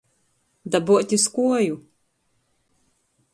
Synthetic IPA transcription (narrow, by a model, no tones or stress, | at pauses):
d̪abuɔt̪ʲiskuɔju